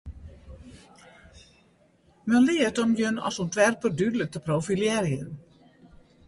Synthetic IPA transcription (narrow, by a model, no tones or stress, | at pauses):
mənlɪətɔmjønɔ̰suntʋɛrpərdydələk̚təprowfiljɛɾjən